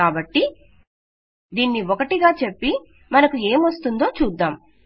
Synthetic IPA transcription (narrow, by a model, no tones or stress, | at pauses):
aːbɐʈːi | d̪iːnːiɔkɐʈiɡaːt͡ʃe̞pːi | mɐnɐkue̞ːmʋɐst̪und̪o̞ːt͡ʃuːd̪ːaːm